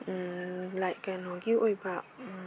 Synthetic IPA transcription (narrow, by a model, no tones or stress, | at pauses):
ʔɨla̰ːjkaːnɔkiwʔojbaːw